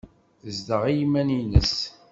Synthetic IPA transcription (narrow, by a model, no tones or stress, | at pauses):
zd̪əʁijmæninə̰s